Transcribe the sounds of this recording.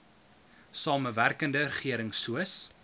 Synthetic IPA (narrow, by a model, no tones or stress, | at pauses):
sɑːməværkəndərəχiəɾəŋsuəs